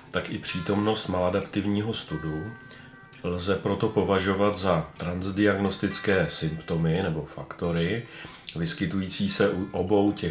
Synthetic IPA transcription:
t̪akɪpr̝̥iːt̪o̞mno̞st̪maladapt̪ɪvɲiːɦo̞st̪udu | lzɛpɾo̞t̪o̞po̞vaʒo̞vat̪zat̪ɾanzdɪaɡno̞st̪ɪt͡skɛːsɪmpt̪o̞mɪnɛbo̞fakt̪o̞ɾɪ | vɪskɪt̪ujiːt͡siːsɛʔuʔobo̞wcɛ

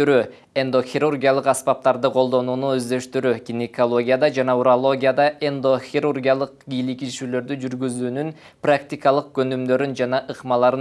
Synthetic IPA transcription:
yɾy | end̪o̞xʲiɾurɡʲijalˠɯqɑspɑp̚t̪ɑɾd̪ɯqʰo̞lˠd̪o̞nuːnuø̞zd̪ø̞ʃt̪yɾykʲinʲikolˠo̞ɡʲijad̪ɑd͡ʒɑnɑuɾalˠo̞ɡʲijad̪ɑʔend̪o̞xʲirurɡʲijalˠɯq̚ɡijlikiʃyːlø̞ɾd̪yd͡ʒyɾɡyzyːnyn | prakt̪ʲikɑlˠɯq̚ɡø̞nymd̪ø̞ɾynd͡ʒɑnɑʔɯqmɑlˠɑɾɯ

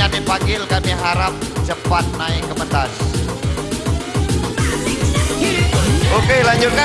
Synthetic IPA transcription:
amipaŋɡɪlkamiɦaɾap̚d͡ʒəpat̪̚naɪŋkːəmət̪as | ʔokelaɲd͡ʒʊt̪̚ka

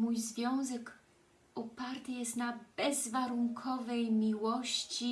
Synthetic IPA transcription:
mujzvʲjɔ̃w̃zɛk | ɔpaɾt̪ɘjɛst̪nabɛzvaɾuŋkʰɔvɛjmʲiwɔɕt͡ɕi

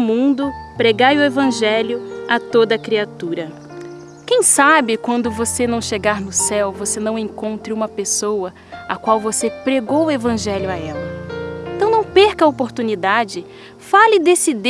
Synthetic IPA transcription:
mũd̪ʊpɾeɡajʊevɐ̃ʒɛljʊat̪od̪ɐkɾiat̪uɾɐ | kẽj̃sabɪkwɐ̃nd̪ʊvosenɐ̃w̃ʃeɡaɾnʊsɛwvosenɐ̃w̃ẽkõnt̪ɾɪũmɐpesowɐ | akwawvosepɾeɡowʊevɐ̃ʒɛljʊaɛlɐẽt̪ɐ̃w̃nɐ̃w̃peɾkɐopoɾt̪unid̪ad͡ʒɪ | falɪd̪esɪd̪

